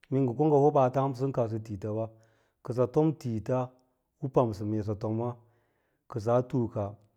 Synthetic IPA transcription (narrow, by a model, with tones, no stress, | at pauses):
mi˦ŋɡu˨ko˦ŋɡa˨ho˦ba˨ta˦m˦s̬ɨ˦n˦ka˨s̬ɨ˨ti˨ta˨ba˦ | kɨ˨s̬a˨to˦mti˨ta˦ | wu˦pa˨m˨s̬ɨ˨me˨s̬a˨to˨mːa˦ | kə˨s̬a˨˦tu˦ka˨